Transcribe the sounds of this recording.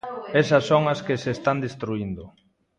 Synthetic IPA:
esɐsːoŋɐskesest̪and̪est̪ɾuind̪ʊ

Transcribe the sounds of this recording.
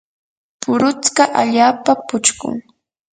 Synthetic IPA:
pʊɾʊt͡skɑʔaʎaːpapʊt͡ʃkʊ̰ŋ

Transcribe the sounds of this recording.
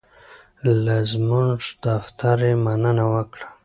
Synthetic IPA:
lazmunʐd̪aft̪ʰaɾemanənawəkɽḁ

